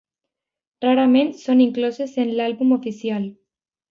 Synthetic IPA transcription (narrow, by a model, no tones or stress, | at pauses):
raɾamẽnt̪so̞nĩŋklosesenlalβumofisjal